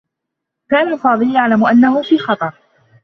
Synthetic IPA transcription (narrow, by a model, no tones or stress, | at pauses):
kaːnalfɑːd̪ˤɨljaʕlamʊʔanːahʊfiːxɑt̪ˤɑɾˤ